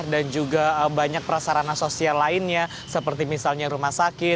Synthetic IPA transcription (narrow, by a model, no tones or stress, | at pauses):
dand͡ʒuɡaəbaɲak̚pəɾasaɾanansosialaɪnɲa | səpərt̪imisalɲaɾumahsakɪ